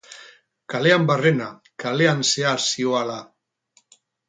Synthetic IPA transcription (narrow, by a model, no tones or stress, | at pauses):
kaleambarena | kaleanseasioala